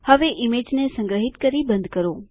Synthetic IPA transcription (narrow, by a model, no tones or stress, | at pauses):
həʋeʔɪmed͡ʒnesə̃ŋɡɾəɦit̪kəɾibə̃nd̪kəɾo